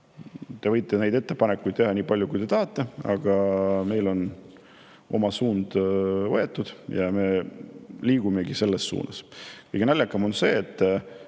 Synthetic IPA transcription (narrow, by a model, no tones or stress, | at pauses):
t̪e̞vɤjt̪ˑːe̞ne̞jd̪e̞t̪ːe̞pɑnekːujd̪̚t̪e̞ɦɑnʲiːpɑlʲjukujt̪e̞t̪ɑɦɑt̪ːˑe̞ɑ̰ɡ̥ɑme̞jlo̞n | ʔo̞̰mɑsuːnd̪̥vɤe̞t̪ːˑud̪̥jɑme̞ | liːɡ̥ume̞ɡise̞lːe̞sːṵːnɑskɯjɡ̥e̞nælʲːjɑkːˑɑmo̞nse̞ːt̪ːˑ